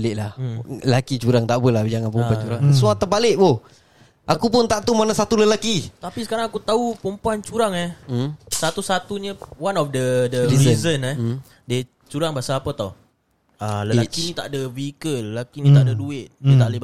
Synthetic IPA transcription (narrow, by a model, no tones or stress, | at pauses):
lɪʔlahəlakit͡ʃuɾaŋt̪aʔbəlahd͡ʒaŋanpumpuant͡ʃuɾaŋsuat̪əbalɪʔ̚boh | ʔakupʊnt̪aʔt̪umanasat̪uləlakit̪apisəkaɾaŋakut̪aupumpuant͡ʃuɾaŋɛhsat̪usat̪uɲəwanɔfdədəɾiəzənɛ | diə | t͡ʃuɾaŋbaasaːpət̪aw | aləakinit̪a̰ʔdəvikələlakinit̪aʔdəduɪt̪̚diət̪aʔli